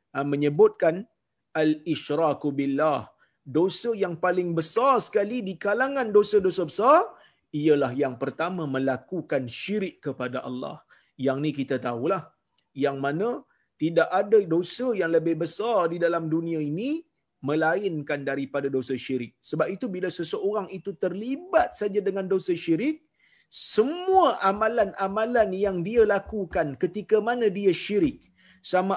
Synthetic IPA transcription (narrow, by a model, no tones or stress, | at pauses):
amə̃ɲəbʊt̪̚kan | alɪʃɾakubilːah | dosajaŋpalɪŋbəsarsə̥kalidikalaŋãndosədosabəsar | iəlahjaŋpərt̪amãmə̃lakukanʃiɾɪkkːəpadaʔɑ̰lːɑ̰h | jaŋnĩk̬it̪at̪aulah | jaŋmãnã | t̪idaʔadadosajaŋləbɪhbəsardidalamdunĩãini | mə̃laɪnkandaɾipadadosaʃiɾɪk̚səbap̚it̪ubilasəsəoɾaŋit̪ut̪ərlibat̪̚sad͡ʒadəŋãndosaʃiɾɪk̚ | səmuaʔamãlanamãlanjaŋdialakukankət̪ikamanãdiaʃiɾɪk̚ | sama